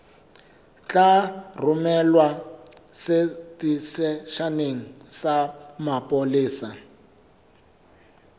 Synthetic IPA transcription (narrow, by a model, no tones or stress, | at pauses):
t͡ɬʼar̤umɛlwa | setisɛʃaneŋ̩samapʼoliːsa